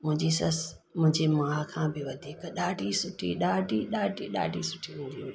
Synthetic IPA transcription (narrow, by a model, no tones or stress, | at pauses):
mʊ̃ɦɪ̃ɲd͡ʑisɐs | mʊ̃ɦɪ̃ɲd͡ʑemaːkʰãːbɪʋɐd̪ʱiːkɗaːɖʱisʊʈʰḭɗaːɖʱiɗaːɖʱiɗa̰ːɖʱisʊʈʰiʊ̃nd̪ii